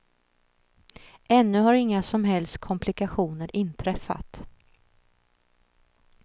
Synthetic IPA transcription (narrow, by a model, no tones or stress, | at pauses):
ʔɛnːɵhaɾɪŋːasɔmɦɛlst̪̚kʰɔmpʰlɪkaɧuːnəɾʔɪnt̪ʰɾɛfːa̰t̪